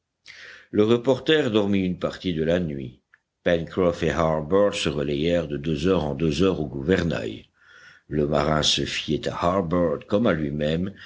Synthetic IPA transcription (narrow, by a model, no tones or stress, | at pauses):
ləʁəpɔʁt̪ɛʁd̪ɔʁmiynpaʁt̪id̪əlanɥḭ | pɛnkʁɔfehaʁbœʁd̪səʁəlɛjɛʁd̪əd̪øzœʁɑ̰̃d̪øzœʁoɡuvɛʁna̰j | ləma̰ʁɛ̃səfjɛt̪a̰haʁbœʁd̪kɔmalɥimɛm